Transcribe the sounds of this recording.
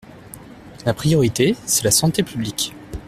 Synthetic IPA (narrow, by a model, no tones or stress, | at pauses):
lapχijɔʁit̪esɛlasɑ̃t̪epʰyblik